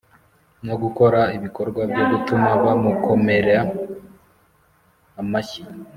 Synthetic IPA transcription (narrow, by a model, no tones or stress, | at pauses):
noɡuko̞ɾaiβiko̞ɾɡwabɟoɡutumaβamukʰo̞me̞ɾa | maçi